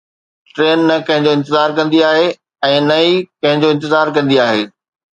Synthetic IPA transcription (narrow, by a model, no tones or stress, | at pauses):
ʈɾeːnːɐkɐ̃ɦɪ̃ɲd͡ʑoɪ̃nt̪ɪzaːɾkɐ̃nd̪iaːɦe | ɛ̃ːnɐikɐ̃ɦɪ̃ɲd͡ʑoɪ̃nt̪ɪzaːɾkɐ̃nd̪iaːɦeː